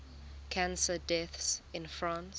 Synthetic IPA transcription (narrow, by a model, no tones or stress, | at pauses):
kʰãnsədɛθsɪ̃nfɹãns